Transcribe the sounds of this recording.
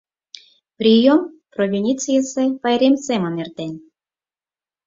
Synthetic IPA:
prʲijomprovʲinʲit͡sɨjəsepɑjɾʲemsemə̆nert̪enʲ

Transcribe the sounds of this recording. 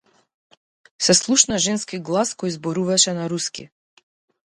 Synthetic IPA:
sɛslˠuʃnaʒɛnskiɡlˠaskɔjzbɔɾuvaʃɛnaɾuskḭ

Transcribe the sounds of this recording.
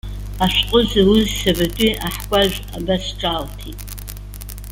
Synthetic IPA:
aʃqʼʊzawʊzsabatʼiʔaħkʷʼaʒʷᶣa̰basʈ͡ʂʼaltʰitʼ

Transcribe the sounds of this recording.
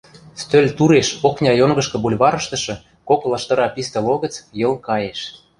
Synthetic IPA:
st̪ølʲt̪uɾeʃoknʲɑjoŋɡɤ̆ʃkɤ̆bulʲβɑɾɤ̆ʃt̪ɤ̆ʃɤ̆ | koklɑʃt̪ɤ̆ɾɑpist̪ə̆loɣə̆t͡sjɤ̆lˠkɑjeʃ

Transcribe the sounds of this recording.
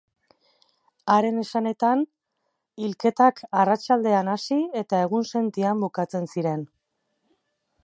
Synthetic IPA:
aɾe̞ne̞sane̞t̪an | ilke̞t̪akarat͡ʃald̪e̞anasie̞t̪ae̞ɣ̞unse̞nt̪iambukat͡se̞nsiɾe̞n

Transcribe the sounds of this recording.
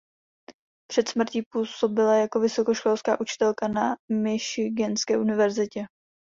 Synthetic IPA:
pr̝̥ɛt̪smr̩ciːpuːso̞bɪlajako̞vɪso̞ko̞ʃkolska̰ːʔut͡ʃɪ̥t̪ɛlkanamɪʃɪɡɛnskɛːʔunɪvɛɾzɪcɛ

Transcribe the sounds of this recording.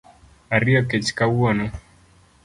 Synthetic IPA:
aɾiɔkɛt͡ʃkawɔnɔ

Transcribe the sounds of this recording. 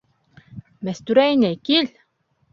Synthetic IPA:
mæst̪yɾæjnæjkil

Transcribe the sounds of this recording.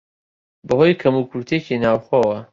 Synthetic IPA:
bəɦoːjkʰɐmukʰuɾt̪ʰecʰinaːwxɔːwɐ

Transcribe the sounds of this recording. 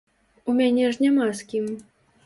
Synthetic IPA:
umʲanʲɛʐnʲamaskʲim

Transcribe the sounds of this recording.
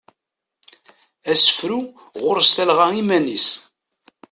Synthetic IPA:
æsə̥fɾu | ʁʊɾst̪ælʁæimænis

